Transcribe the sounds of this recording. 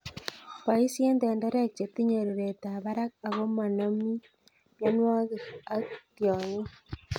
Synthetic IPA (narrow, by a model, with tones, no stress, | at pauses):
pa˨i˦sje˦nde˨nde˦ɾe˦k̚t͡ʃe˨t̪i˦ɲo˨ɾeɾe˨ta˨βa˦ɾa˦ka˨ɣo˦ma˨na˦mi˦ | mja˦nwa˦ɣe˨a˦tjɔ˨ɲo˦